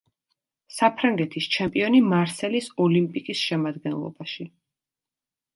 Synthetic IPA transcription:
sapʰɾaŋɡɛt̪ʰist͡ʃʰɛmpʼiɔnimaɾsɛlisɔlimpʼikʼisʃɛmad̪ɡɛnlˠɔ̰baʃi

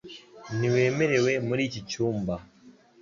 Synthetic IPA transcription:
niweːmeɾewemuɾit͡ʃit͡ʃuːmba

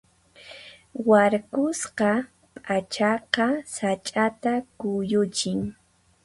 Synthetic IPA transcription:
waɾkʊsqɑ | pʼat͡ʃɑqɑsat͡ʃʼat̪akʊjʊt͡ʃɪŋ

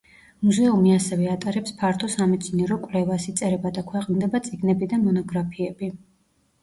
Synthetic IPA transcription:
muzɛumiasɛvɛat̪ʼaɾɛpspʰaɾt̪ʰɔsamɛt̪sʰniɛɾɔkʼlɛvasit̪sʼɛɾɛbad̪akʰwɛqʼnd̪ɛbat̪sʼiɡnɛbid̪amɔnɔɡɾapʰiɛbi

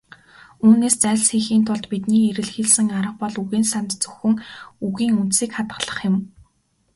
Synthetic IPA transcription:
unːeːst͡sæːɮsxiːxiːnt̪ʰʊɮt̪pit̪niːeɾɘ̆ɮxeɮsɘ̆ŋaɾə̆q̚pɔɮuɣiːnsant̪t͡sɵ̥xɵ̆ŋuɣiːŋun̥t̪siːkχat̪ɢə̆ɮə̆χjɪ̆m

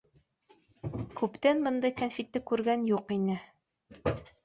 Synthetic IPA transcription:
kʉpt̪ænbɤ̆nd̪ɤjkanfʲit̪ːɘkʉɾɡænjuqinɘ

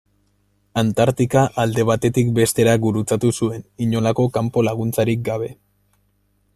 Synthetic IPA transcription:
ant̪aɾt̪ikaʔald̪e̞β̞at̪e̞t̪ikbe̞st̪e̞ɾaɡuɾut͡sat̪usue̞niɲo̞lako̞kampo̞laɣ̞unt͡saɾik̚ɡaβ̞e̞

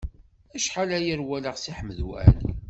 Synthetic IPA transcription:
æʃħalæjəɾwæləʁsiħəmːəðwæ̰ʕlḭ

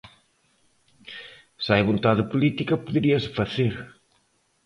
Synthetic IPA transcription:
sajβõnt̪aðɪpulit̪ikɐpuðeɾiɐsɪ̥fɐθeɾ

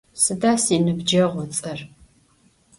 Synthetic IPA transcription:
sɨdaːsinɨbd͡ʒɐʁʷɔt͡sʼɐr

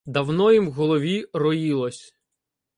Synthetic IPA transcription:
d̪ɐwnɔjimɣɔlˠɔʋʲirɔjilˠɔsʲ

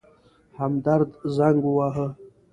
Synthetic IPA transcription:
hamd̪aɾd̪zaŋɡuwaɦə

